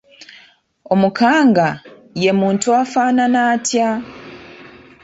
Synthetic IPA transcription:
o̞mukʰaːŋɡa | je̞muːntuafaːnanaːtja

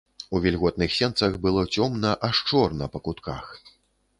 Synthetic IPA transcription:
uvʲɛlʲɣɔt̪nɨxsʲɛnt̪sɐɣbɨlˠɔt͡sʲɔmnɐʔaʂt͡ʂɔrnɐpɐkut̪kax

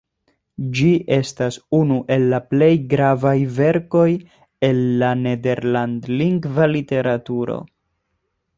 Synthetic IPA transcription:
d͡ʒiʔe̞stasunuʔe̞lːaple̞jɡɾavajve̞ɾko̞j | e̞nːane̞de̞ɾlandliŋɡvalite̞ɾatuɾo̞̰

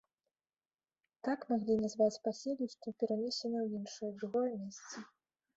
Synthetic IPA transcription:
t̪akmaɣlʲinazvat͡sʲpasʲelʲiʂt̪vɔpʲɛɾanʲɛsʲɛnɐwinʂɨjd̪ɣɔlʲnɐsʲt͡sʲi

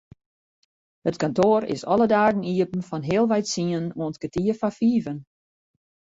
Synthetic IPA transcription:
hətkantoːɾɪ̰sɔlˠədaːɡn̩iəpən̩fɔnɦɪəlˠʋɛjtsiənoəntkətiəfafiːvən

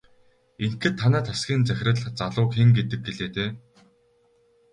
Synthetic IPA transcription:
eŋtɘ̆t̪ʰːanæːt̪ʰasɡʲiːnt͡sæxʲɪ̆rə̆ɮt͡saɮʊːkxeŋɡet̪ɘ̆k̚ɡeɮeːt̪eː

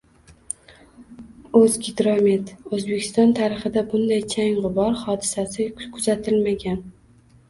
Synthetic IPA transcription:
ɵzɡʲɪd̪ɾomet̪ɵzbe̞kʲʰɪ̥st̪ɒnt̪ʰaɾɪχɨd̪abʊnd̪ajt͡ʃʰaŋʁʊbɒɾχɒd̪ɪsasɪkʰʊzat̪ʰɪlmaɡʲan

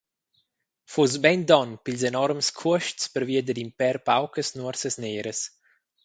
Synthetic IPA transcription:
fus̬bɛnd̪ɔnpilsenɔɾmskʰuəʃtspəɾviəd̪əd̪impɛɾpawkəsnuəɾsəsneːɾəs

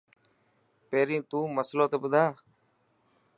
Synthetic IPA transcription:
peːɾĩːt̪ũːməsloːt̪eːɓʊd̪ʱaː

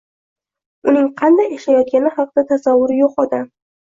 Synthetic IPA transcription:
ʊnɪŋqʰɑnd̪ajaʃajɒt̪̚kʲanɪhɑq̚d̪̥at̪ʰasavːʊɾɪjoqɒd̪am

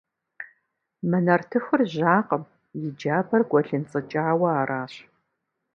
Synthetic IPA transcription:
mɐnɐrtʰɨxʊrʑaːqəm | jɪd͡ʒaːbʰɐrɡʷʼɔɬɨnt͡sʼɨt͡ʃʼaːwɐaːrʔaːɕ

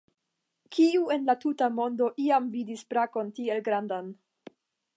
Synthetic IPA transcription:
kʰiue̞nlatutamo̞ndo̞ʔiamvidispɾako̞ntie̞lɡɾandan

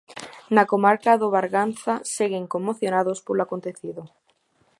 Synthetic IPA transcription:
nakomaɾkaðoβaɾɣanθaseɣeŋkomːoθjonaðospoloakont̪eθiðo

